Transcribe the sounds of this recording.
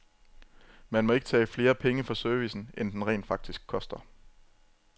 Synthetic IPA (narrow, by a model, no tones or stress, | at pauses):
mænmɒ̽e̝ɡ̥ə̥t͡sʰɛ̰ːfle̝ːɐpʰeŋəfɒ̽søɐʋisn̩ʔend̥enʁɛ̰ːnd̥fɑ̈ɡ̥̚d̥isɡ̥̚kʰːɒ̽sd̥ɐ